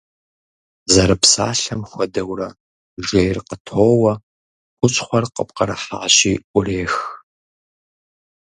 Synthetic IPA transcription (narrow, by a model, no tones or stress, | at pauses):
zɐɾɨpsa̰ːɬɐmxʷɔdɐwrɐ | ʒejrqətʰoːwɐ | xʷʊt͡ʃʼχʷɔrqəp̚qɐɾɐħa̰ːɕiːʔʷʊreːx